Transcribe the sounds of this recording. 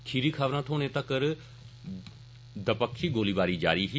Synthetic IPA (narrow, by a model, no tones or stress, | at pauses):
kʰiːɾiːkʰaʋɾãːt̪ʰoːnẽːt̪akəɾ | d̪əpəkʰʃiːɡoːliːbaːɾiːd͡ʒa̰ːɾiːɦi